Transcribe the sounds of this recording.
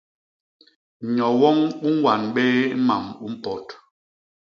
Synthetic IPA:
ɲɔ˨wɔ˦ŋu˦ŋ˦wa˨nɓe˦ma̰˨mu˦m̩˦pɔ˨t

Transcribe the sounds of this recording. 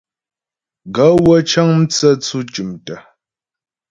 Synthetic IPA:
ɡa˨˦wə˦t͡ʃa˦ŋm̩˦t͡sə˦t͡su˦t͡ʃu˨mtə˨

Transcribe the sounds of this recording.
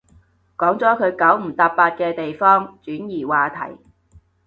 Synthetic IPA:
kɔː˨˥ŋt͡sɔː˨˥kʰɵ˨˧ɥkɐ˨˥wm̩˨˩t̪aː˧p̚paː˧t̚kɛː˧t̪e˨jfɔː˥ŋt͡ʃyː˨˥njiː˨˩waː˨t̪ʰɐ̰˨˩j

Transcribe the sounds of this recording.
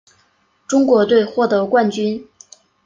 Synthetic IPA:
ʈ͡ʂʊ˥ŋkwɔ˧˥t̪we˥˧ɪxwɔ˥˩t̪ɤ˧˥kwa˥˩nt͡ɕy˥n

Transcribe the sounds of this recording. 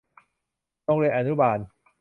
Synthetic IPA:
t̪ɔ˥˩ŋɾi˧ənʔa˧˩nu˦˥baː˧˩n

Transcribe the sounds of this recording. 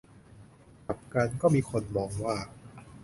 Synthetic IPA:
ka˨˩p̚ka˧nkɔː˥˩miː˧kʰo˧nmɔː˧ŋwaː˥˩

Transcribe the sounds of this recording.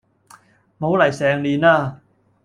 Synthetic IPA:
ma˨˦wla˨˩jsɛː˧ŋliː˧naː˥˩

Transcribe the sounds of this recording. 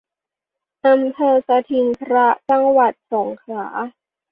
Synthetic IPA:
ʔa˧mpʰɤː˧sa˧t̪ʰi˧nkʰɾa˦˥t͡ɕa˧ŋwa˨˩t̪̚so˩˦ŋkʰɾaː˩˦

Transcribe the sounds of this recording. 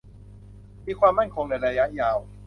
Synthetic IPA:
miː˧kʰwaː˧mːa˥˩nkʰo˧ŋna˧jɾa˧ja˦˥ʔjaː˧w

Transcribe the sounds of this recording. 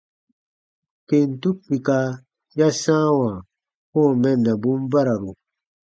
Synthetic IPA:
ke˨n˨tu˦k͡pi˨ka˦ | ja˦sãː˦wã˨ | kɔ̃˦˨mɛ˦˨nda˨bũ˦m˦ba˦ɾa˨ɾu˨

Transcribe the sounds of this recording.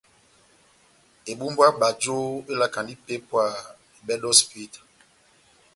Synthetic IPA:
e˨bu˦mba˦ɓa˨d͡ʒo˦e˦la˦ka˨ndi˦pe˦pwa˨ | e˨ɓɛ˦dɔ˦spi˦t

